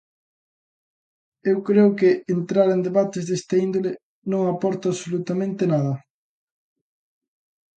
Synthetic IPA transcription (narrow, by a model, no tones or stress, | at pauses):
ewkɾeʊkɪent̪ɾaɾend̪eβat̪ɪzðest̪aind̪ole | nõŋapɔɾt̪aβsolut̪amẽnt̪ɪnaðɐ